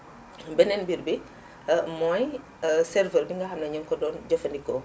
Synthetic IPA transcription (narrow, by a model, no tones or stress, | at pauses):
bɛnɛnbiɾbi | mɔj | sɛrvərbiŋɡɐxɐmnɐɲɐŋkɔdɔːnɟɐfɐndikɔ